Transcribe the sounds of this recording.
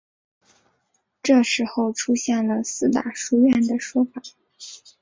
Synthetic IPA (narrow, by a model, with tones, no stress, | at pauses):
ʈ͡ʂɤ˥˩ʂɻ̩˧˥xo˥˧ʊʈ͡ʂʰu˥ɕjɛ˥˩nlə˩sɹ̩˥˩t̪a̰˨˩ʂu˥ɥɛ˥˩nd̪ə˩ʂwɔ˥fa˨˩˦